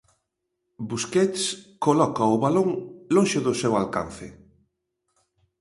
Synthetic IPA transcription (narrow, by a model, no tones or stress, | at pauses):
buskɛt̪skolɔkɐʊβaloŋlõŋʃʊðʊsɛwalka̰n̟θɪ